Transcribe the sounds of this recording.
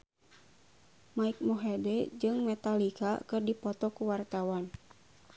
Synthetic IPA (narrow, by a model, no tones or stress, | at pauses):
maik̚mɔɦɛdɛd͡ʒɨŋmɛt̪alika̰kɨrdipɔt̪ɔkuwart̪awan